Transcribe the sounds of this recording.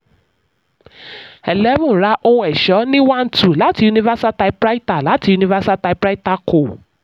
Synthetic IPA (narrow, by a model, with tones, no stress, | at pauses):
ɛ˨lɛ˨˦mũ˦˨ɾa˨˦ʔo˧ũ˧ɛ˨ʃɔ˨˦nĩ˦wã˦n̩˦tʰu˦˨la˨˦ti˧u˧nĩ˧va˦si˦a˦ta˧i˧˦pɾa˦i˦ta˦˨la˨˦ti˧ju˧nĩ˧va˦si˦a˦ta˧i˧pɾa˦i˦ta˧ko˨